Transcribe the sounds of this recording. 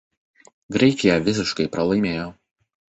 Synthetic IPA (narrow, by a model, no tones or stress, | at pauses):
ɡɾʲɛɪkʲɪjɛʋʲɪsʲɪʃkɐɪpɾɐlˠɐɪmʲeːjoː